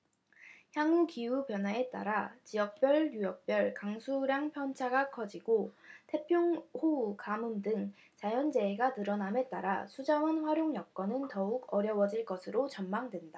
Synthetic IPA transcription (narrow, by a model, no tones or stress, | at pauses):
çjaŋukiupjʌnɦae̞t͈a̰ɾat͡ɕijʌk̚p͈jʌɭjujʌk̚p͈jʌɭkaŋsʰuɾjaŋpʰjʌnt͡ɕʰaɡakʰʌd͡ʑiɡotʰe̞pʰjoŋhokamumdɯŋ | t͡ɕajʌnd͡ʑe̞eɡanɯɾʌname̞t͈a̰ɾa̰sʰud͡ʑawʌnɸwaɾjoŋjʌk̚k͈ʌnɯntʌuɡʌɾjʌwʌd͡ʑiɭk͈ʌsʰɯɾot͡ɕʌnmaŋdwe̞nda